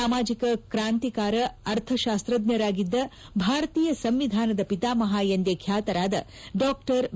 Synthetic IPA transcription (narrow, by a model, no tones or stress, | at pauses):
aːmaːd͡ʒikɐkɾaːnt̪ikaːɾɐɐɾt̪ʰɐʃaːst̪ɾɐd̪jɐɾaːɡid̪ːɐ | bʱaːɾɐt̪iːjɐsɐmʋid̪ʱaːnɐd̪ɐpit̪aːmɐɦaːjɐnd̪jeːkʰjaːt̪ɐɾaːd̪ɐ | ɖɔːkʈɐɾ